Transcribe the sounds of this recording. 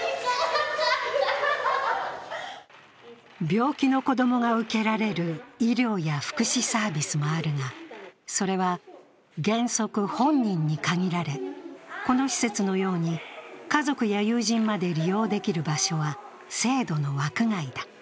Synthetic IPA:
bʲo̞ːkʲino̞ko̞d̪o̞mo̞ŋaɯ̟ke̞ɾaɾe̞ɾɯ̟iɾʲjo̞ːjaɸɯ̥kɯ̟ɕisaːbʲisɨmo̞aɾɯ̟ŋaso̞ɾe̞βa | ɡẽ̞ɰ̃so̞kɯ̟hõ̞ɲɲĩɲ̟ːikaɡʲiɾaɾe̞ko̞no̞çi̥se̞t͡sɨno̞jo̞ːɲ̟ikazo̞kɯ̟jajɯːʑĩmmad̪e̞ɾʲijo̞ːd̪e̞kʲiɾɯ̟baɕo̞βa | se̞ːd̪o̞no̞βakɯ̟ŋaid̪ḁ

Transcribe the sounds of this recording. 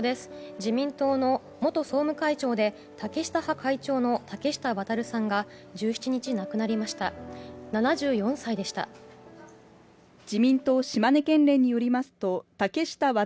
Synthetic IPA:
d̪e̞sɨ̥d͡ʑimʲĩnt̪o̞ːno̞ | mo̞t̪o̞so̞ːmɯ̟kait͡ɕo̞ːd̪e̞ | t̪ake̞ɕi̥t̪ahakait͡ɕo̞ːno̞t̪ake̞ɕi̥t̪aβat̪aɾɯ̟sãŋɡad͡ʑɨːçi̥t͡ɕiɲ̟it͡ɕinakɯ̟naɾʲimaɕi̥t̪a̰nanaʑɨːjõ̞ɰ̃said̪e̞ɕi̥t̪a̰ | d͡ʑimʲĩnt̪o̞ːɕimane̞kẽ̞nɾẽ̞ɲ̟ːijo̞ɾʲimasɨ̥t̪o̞t̪ake̞ɕi̥t̪aβa

